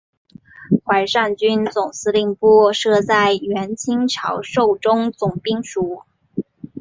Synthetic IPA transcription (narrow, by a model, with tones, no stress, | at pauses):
xwa˧˩ɪʂa˥˩nt͡ɕy˥nt͡sʊ˨˩ŋsʰɹ̩˥li˥˧ŋpu˥˧ʂɤ˥˧t͡sa˥˩ɪɥɛ˧˥nt͡ɕʰi˥ŋʈ͡ʂʰɑ˧˥ʊʂo˥˩ʊʈ͡ʂʊ˥ŋt͡sʊ˨˩ŋpi˥ŋʂu˨˧˩